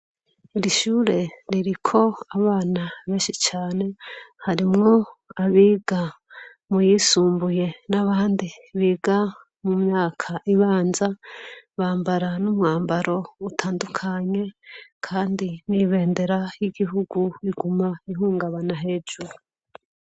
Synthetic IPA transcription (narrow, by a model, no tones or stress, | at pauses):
iɾiʃuːɾe̞ɾiɾikʰo̞aβaːnaβe̞ːnʃit͡ʃaːne̞haɾimŋo̞aβiːɡa | mujiːsuːmbuje̞naβaːndiβiːɡa | mumɲaːkʰaʔiβaːnzaβaːmbaɾanumŋaːmbaɾo̞utʰaːndukʰaɲe̞kʰaːndiniβe̞ːnde̞ɾajiɡiɦuɡuβiɡumaiɦuːŋɡaβanaɦe̞ːd͡ʒuɾu